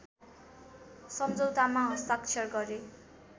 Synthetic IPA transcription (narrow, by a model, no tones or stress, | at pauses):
sʌmd͡zʌwt̪amaɦʌst̪akt͡ʃʰʌrɡʌɾe